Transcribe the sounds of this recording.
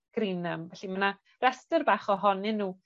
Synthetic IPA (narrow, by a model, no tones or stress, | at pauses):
ɡ̥ɾiːnəmvɛɬiməna | rɛstərbaːχɔɦɔnɪnːuː